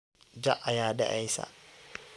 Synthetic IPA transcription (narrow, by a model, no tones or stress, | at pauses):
d͡ʒaʔajaːda̰ʔajsa̰